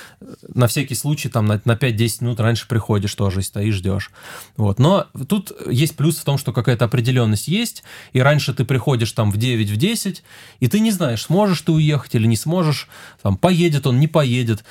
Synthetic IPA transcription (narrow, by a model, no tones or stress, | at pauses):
nɐfsʲækʲɪjslˠut͡ɕɪːt̪amnɐnɐpʲæt̚ʲdʲesʲɪ̥tʲmʲɪnut̪ranʲʂɨ̥pɾʲɪxo̞dʲɪʂt̪o̞ʐɨɪsʲt̪ɐiʐdʲo̞̰ʂvo̞̰t̪no̞t̪ut̪jesʲt̚ʲplʲusft̪o̞mʂt̪o̞kɐkajət̪əɐpɾʲɪdʲɪlʲo̞nːəsʲtʲjesʲtʲiɾanʲʂɨt̪ɨpɾʲɪxo̞dʲɪʂt̪amvdʲevʲɪtʲvdʲesʲɪtʲit̪ɨnʲɪznaɪʂsmo̞ʐɨʂt̪ɨʊje̞xə̥tʲilʲɪnʲɪsmo̞ʐɨʂt̪ampɐjedʲɪt̪o̞nnʲɪpɐjedʲɪt̪